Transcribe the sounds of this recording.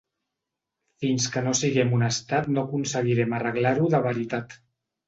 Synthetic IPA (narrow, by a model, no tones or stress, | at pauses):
finskənosiɣɛmunəst̪at̪nokunsəɣiɾɛmərəɣlaɾuðəβəɾit̪at̪